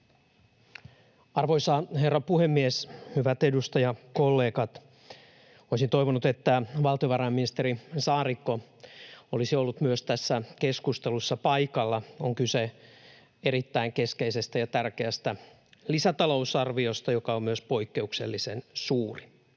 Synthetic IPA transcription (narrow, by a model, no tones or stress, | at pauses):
ɑrʋo̞isɑːherːɑpuhemːieshyʋæt̪e̞dust̪ɑjɑkolːe̞ːkɑt̪ | oisint̪o̞jʋonut̪et̪ːæʋɑlˠt̪ioʋɑɾɑjmːinist̪eɾisɑːrikːo | olisiolːut̪myøst̪æsːækeskust̪elusːɑpɑjkɑlːɑoŋkyse | e̞ɾit̪ːæiŋke̞skeise̞st̪æjɑt̪ærkeæst̪æ | lisæt̪ɑlo̞usɑrʋiost̪ɑjokɑommyøspo̞ikːe̞uksḛlːisensuːri